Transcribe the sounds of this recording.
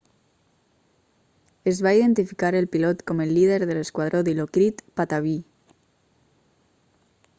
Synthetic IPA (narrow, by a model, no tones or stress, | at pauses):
ezβaiðent̪ifikaɾelpilot̪komelːið̞eɾðeleskwað̞ɾoðilokɾit̪pat̪aβi